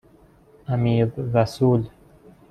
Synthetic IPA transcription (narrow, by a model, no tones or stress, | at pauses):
amiːðɾasuːl